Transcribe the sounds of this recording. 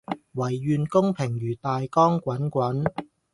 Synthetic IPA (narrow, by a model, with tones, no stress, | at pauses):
wɐ˨˩jːyː˨nkʊ˥ŋpʰɪ˨˩ŋjyː˨˩t̪aː˨jkɔː˥ŋkʷɐ˨˥nkʷɐ˨˥n